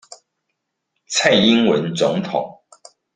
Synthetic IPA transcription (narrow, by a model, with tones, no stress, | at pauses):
t͡sʰa˥˩ɪi˦nwə˧˦nt͡sʊ˧˦ŋt̪ʰʊ̰˨˩˦ŋ